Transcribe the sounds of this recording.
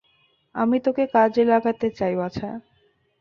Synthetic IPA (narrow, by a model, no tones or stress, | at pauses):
amit̪okekad͡ʑelaɡʱat̪et͡ɕajoat͡ɕʰa